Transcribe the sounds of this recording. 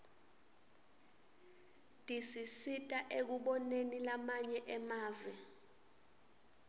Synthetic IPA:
tʼisisitʼaʔek̬uɓɔnenilamaɲɛʔɛmaːvɛ

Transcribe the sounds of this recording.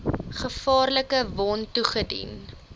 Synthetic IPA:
χəfɑːrləkəvɔntuχədḭn

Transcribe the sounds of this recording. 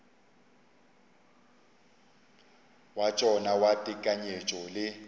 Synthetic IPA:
wat͡ʃʼɔnawatʼɪkʼaɲet͡ʃʼɔlɪ

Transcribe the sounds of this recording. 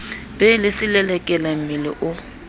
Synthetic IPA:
b̥ɛlɪsɪlɛlɛkʼɛlam̩mɪlɪ̰ʔʊ

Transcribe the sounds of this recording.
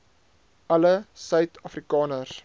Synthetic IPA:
ʔɐləsœɥtʰɐfrikɑːnər

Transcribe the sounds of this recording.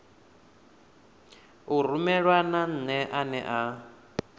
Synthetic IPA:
ur̤umɛɺwanan̩nɛʔanɛʔa

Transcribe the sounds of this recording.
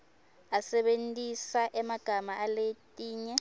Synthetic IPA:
asɛɓentʼisaʔɛmaɡ̥ʱamaʔaletʼiːɲɛ

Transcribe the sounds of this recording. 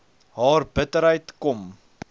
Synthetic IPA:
ɦɑːrbətəɾɦəjtkɔm

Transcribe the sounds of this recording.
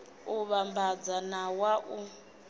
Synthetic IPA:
uβambad͡zanawaʔu

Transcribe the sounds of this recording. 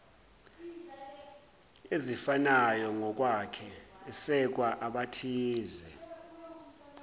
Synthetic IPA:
ezifanajɔŋɔk̬ʼwakʰɛːsɛk̬waʔaɓatʰiːzɛ

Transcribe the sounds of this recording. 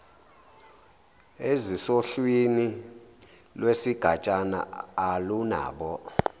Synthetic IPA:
ezisoɬwini | lwesiɡ̥ʱat͡ʃʼana̰ːluna̰ːɓɔ

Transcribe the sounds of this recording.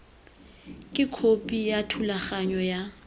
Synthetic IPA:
kʼɪkʰopʼijatʰulaχaɲɔja

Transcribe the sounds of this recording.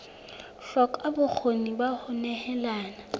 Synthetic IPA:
ɬɔkʼabʊk͡xʰonibahʊnɛhɛlaːna

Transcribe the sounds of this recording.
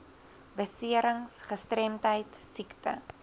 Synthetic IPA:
bəsiəɾəŋsχəstrɛmtɦəjtsiktə

